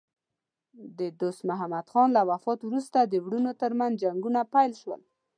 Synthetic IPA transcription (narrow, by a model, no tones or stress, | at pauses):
d̪əd̪ost̪mʊɦamad̪xɑnlawafɑt̪wɾust̪ad̪əwɽunot̪əɾmanzd͡ʒaŋɡunapajlʃwə̰l